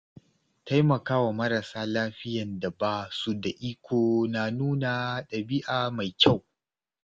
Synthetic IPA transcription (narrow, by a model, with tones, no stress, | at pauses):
ta˦jmɐ˨kaː˦wa˨mɐ˦ɾa˨saː˦laː˦ɸɪ˦jɐ˨nda˨baː˦su˦da˨ʔi˦kʷoː˨na˨nuː˦naː˨ɗɐ˨bɪ˦ʔaː˨ma˨jkʲa˦˨w